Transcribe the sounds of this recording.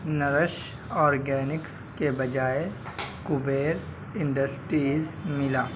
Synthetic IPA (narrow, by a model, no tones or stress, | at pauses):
nɐɾəʃ | ɔːɾɡɛːnɪks | kebɐd͡ʒaːekʊbeːɾ | ɪ̃ɳɖəsʈɾiːzmɪlaː